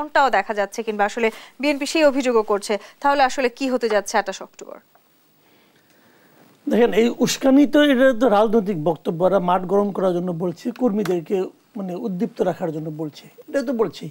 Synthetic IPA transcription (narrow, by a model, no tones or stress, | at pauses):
nʈaod̪ɛkʰad͡ʑatːɕʰekinbaaʃolebienpiʃejobʱid͡ʑoɡokoɾt͡ɕʰet̪aɦoleaʃolekiɦot̪ed͡ʑatːɕʰeɛʈaʃɔkt̪obo̰ɾ | d̪ɛkʰenejuʃkanit̪oeʈat̪̬oɾad͡ʑnojt̪̬ik̚bɔkt̪obːoɾamaʈɡɔɾonkɔɾaɾd͡ʑonːobolt͡ɕʰikoɾmid̪eɾke | maneud̪ːip̚t̪oɾakʰaɾd͡ʑonːobolt͡ɕʰeeʈat̪̬obolt͡ɕʰi